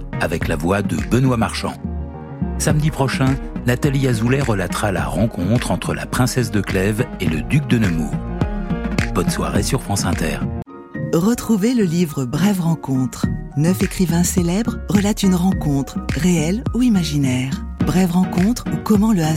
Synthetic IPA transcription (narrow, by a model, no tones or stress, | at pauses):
avɛklavwad̪ə̰bənwamaʁʃɑ̰̃ | samd̪ipχɔʃɛ̃nat̪aliazulɛʁəlat̪χala̰ʁɑ̃kʰɔ̃t̪χɑ̃t̪χəla̰pχɛ̃sɛsd̪əklɛveləd̪yk̚d̪ənəmṵːʁ | bɔnswa̰ʁḛsyʁfχɑ̃sɛ̃t̪ɛ̰ːʁ | ʁət̪χuveləlivʁəbʁɛvʁɑ̃kɔ̃t̪χnœfekχivɛ̃selɛbʁʁəlat̪ynʁɑ̃kɔ̃t̪χʁeɛluimaʒinɛːʁbʁɛvʁɑ̃kɔ̃t̪χukɔmɑ̃ləa